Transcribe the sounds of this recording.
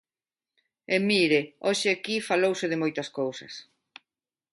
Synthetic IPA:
emiɾɪoʃɪakifalowsɪðɪmojt̪ɐskowsɐ̰s

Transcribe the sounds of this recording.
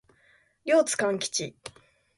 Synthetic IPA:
ɾʲo̞ːt͡sɨ̥kãŋkʲi̥t͡ɕi

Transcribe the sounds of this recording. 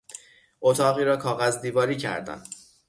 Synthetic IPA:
ʔot̪ʰɒːɣiːɾɒːkʰɒːɣæzd̪iːvɒːɾiːcʰæ̰ɾd̪æ̰n

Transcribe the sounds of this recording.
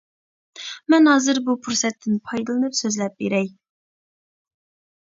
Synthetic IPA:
mɛnɦɑːzɨɾbupʰuɾsɛt̪ʰːɪnpʰɑjd̪ɨlˠɨnɨpsøzlɛp̚beɾɛj

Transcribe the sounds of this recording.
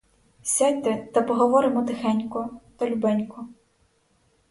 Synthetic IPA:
sʲadʲt̪ɛt̪ɐpɔɦɔʋɔɾɪmɔt̪ɪxɛnʲkʊt̪ɔlʲubɛnʲkʊ

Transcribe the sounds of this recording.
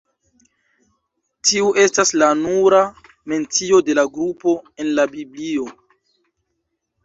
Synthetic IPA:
tiuʔe̞staslanuɾa | me̞nt͡sio̞de̞laɡɾupo̞e̞nlabiblio̞

